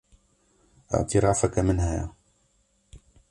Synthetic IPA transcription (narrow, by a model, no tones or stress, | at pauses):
ʔa̰ʕt̪iɾˤɑːfakamɪnhaja̰